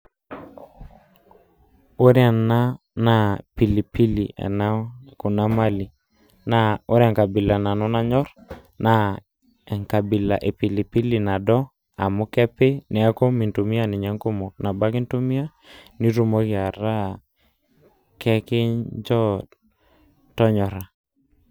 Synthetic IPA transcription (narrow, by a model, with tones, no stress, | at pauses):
o˦ɾja˨na˦ | na˦˨pi˨li˨pi˦lḭ˨ʔa̰˨na˦ko˨na˦ma˦li˨ | na˦o˦ɾɛ˨ŋka˨bɪ˨la˨na˨nɔ˦na˦ɲɔ˦ɾ | na˨ | ɛ˨ŋka˨bi˨la˨ʔe˨pi˨li˨pi˦li˨na˨dɔ˦ | a̰˨mu˦kɛ˦pe˦nɛ˨a˦ko˦mi˨ntu˨mi˦a˦ni˨ɲɛ˦ŋko˦mo˨na˨ba˦ki˦ntu˦mi˦a˦ | ni˦ɾu˦mo˦kɪ˨a˨ɾa˦ | kɛ˦kɪ˦ɲd͡ʒɔ˦ | tɔ˦ɲɔ˨ɾa˨